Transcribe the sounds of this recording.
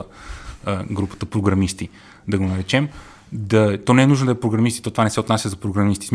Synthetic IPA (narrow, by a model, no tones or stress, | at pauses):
ə | ɡɾupə̥t̪əpɾoɡɾɐmist̪i | d̪ɐɡonɐɾɛt͡ʃɛm | d̪ɐt̪ɔnɛɛnuʒnod̪ɐɛpɾoɡɾɐmist̪i̥t̪ɔt̪ovanɛsɛot̪nasʲəzɐpɾoɡɾɐmist̪i̥sm